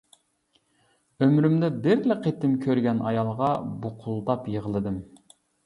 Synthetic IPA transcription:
ømɾymd̪ɛbɪɾlɪqʰet̪ɪmkʲʰøɾɡʲɛnɑjɑlˠʁɑbuqʰʊlˠd̪ɑpjəʁəlˠɨd̪ɨm

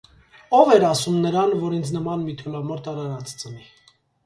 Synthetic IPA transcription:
ɔvɛɾɑsumnəɾɑnvɔɾint͡sʰnəmɑnmit̪ʰɔlɑmɔɾt̪ɑɾɑɾɑt͡st͡səni

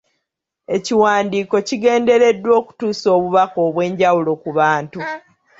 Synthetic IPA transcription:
e̞ciwaːndiːko̞ciɡe̞ːnde̞ɾe̞dːwo̞ːku̥tuːso̞ːβuβako̞ːβwe̞ːɲɟawulo̞kuβaːntu

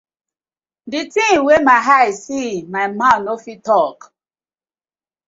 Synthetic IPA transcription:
dɪtĩŋwemaɦasimaɪmanofitɔk

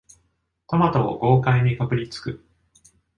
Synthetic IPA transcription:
t̪omat̪oo̰ɡo̞ːkaiɲ̟ʲikapɯ̟ɾʲit͡sɨ̥kɯ̟

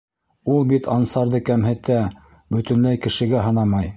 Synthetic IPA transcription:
ulˠbit̪ɑnsɑɾðɤkæmɦɘ̆t̪æ | bɵ̆t̪ɘ̆nlæjkɘ̆ʃɘ̆ɡæɦɤ̆nɑmɑj

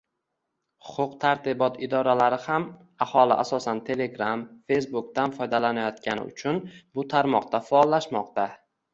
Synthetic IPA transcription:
hʊ̥qʰʊqt̪ʰaɾt̪ɪbɒt̪ɪd̪ɒɾalaɾɪham | ahɒlɪ̰ʔasɒsant̪ʰe̞le̞ɡɾamfe̞jsbʊk̚t̪anfɒjd̪alanajɒt̪̚kʲanɪ̰ʊ̰t͡ʃʰʊnbʊt̪ʰaɾmɒq̚t̪afaːlːaʃmɒqt̪a

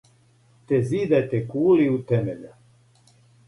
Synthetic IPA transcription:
t̪ɛzid̪ajt̪ɛkuːliut̪ɛmɛʎa

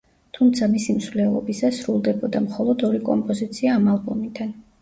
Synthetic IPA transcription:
t̪ʰumt̪sʰamisimsvlɛlˠɔ̰bisɛsɾulˠd̪ɛbɔd̪amχɔlˠɔd̪ɔɾikʼɔ̰mpʼɔzit̪sʰiaːmalˠbɔmid̪an

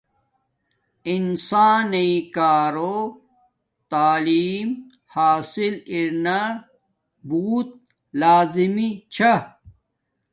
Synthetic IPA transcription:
insaːnɐĩkaːɾo | t̪aːliːm | haːsiliɾna | buːt̪̚ | laːzimit͡ɕʰa

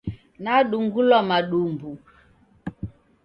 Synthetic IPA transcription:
naɗuŋɡulwamaɗumbu

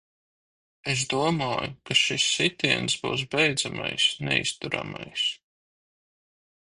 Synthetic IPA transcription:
es̬d̪uɔmaːjukaʃisːit̪iɛnsbuws̬bɛjd̪zama̰jsnɛ̰ḭst̪uɾa̰ma̰js

